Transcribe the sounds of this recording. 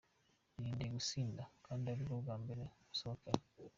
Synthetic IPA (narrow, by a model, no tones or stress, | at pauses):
niːndiɡusiːndakaːndiaβiɾoɡaːmbiɾeusoake